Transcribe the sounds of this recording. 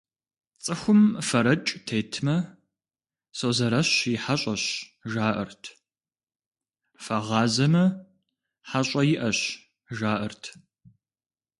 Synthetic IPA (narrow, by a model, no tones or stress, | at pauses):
t͡sʼɨxʷʊmfɐɾɐt͡ʃʼtʰeːtʰmɐ | sozɐɾɐɕjɪħaɕʼɐɕʒaːʔɐ̰rtʰ | fɐʁɑːzɐmɐ | ħaɕʼɐjɪʔɐɕ | ʒaːʔɨrtʰ